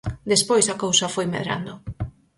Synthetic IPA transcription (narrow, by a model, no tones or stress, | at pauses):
d̪espojsɐkowsɐfojmḛðɾa̰nd̪ʊ